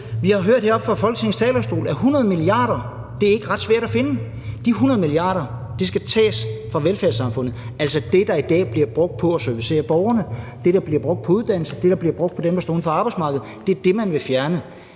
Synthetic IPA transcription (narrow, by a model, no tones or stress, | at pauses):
ʋihɑ̈ɦøɐ̰d̥heɐɒ̽b̥fɑfɒ̽l̰ɡ̥t͡sʰe̝ŋ̩st͡sʰɛ̰ːlɐsd̥o̝̰ːlæɐɦunɐðˠəmiliɑ̰̈ːɾ̥ɐ | d̥e̝æɐe̝ɡ̥əʁɑ̈d̥sʋæɐ̰ɾ̥æfe̝nə | d̥iɦunɐðˠmiliɑ̰̈ːɾ̥ɐ | d̥isɡ̥æt͡sʰɛ̰ːsfʁɑ̈ʋelfæɐsɑ̈mfɔ̽n̰ð̩ˠ | ælsɒd̥e̝d̥ɑ̈id̥ɛ̰ːb̥liɐb̥ʁɔ̽ɡ̥̚d̥̚pʰɒ̽æsœɐʋise̝̰ːɐb̥ɒʊɐnəd̥e̝ɾ̥ɑ̈b̥liɐb̥ʁɔ̽ɡ̥̚d̥̚pʰɒ̽uðˠd̥æn̰l̩səd̥e̝ɾɑ̈b̥liɐb̥ʁɔ̽ɡ̥̚ʰɒ̽d̥emb̥ɑsɔ̰ːn̩fɒɑ̈ːb̥ɑ̈ɪsmɑ̈ːɡ̥əð̞̩ˠd̥e̝æɐd̥e̝mænʋe̝fjæɐnə